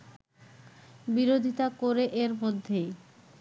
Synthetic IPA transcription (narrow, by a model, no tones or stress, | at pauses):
biɾod̪ʱit̪akoɾeʔeɾmod̪ʱːej